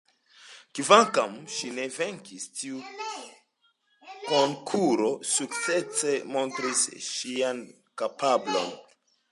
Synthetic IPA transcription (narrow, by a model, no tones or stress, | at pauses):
kivaŋkamʃine̞ve̞ŋkistiu | koŋkʰuɾo̞suk̚t͡se̞t͡semo̞ntɾisʃian | kapablo̞̰n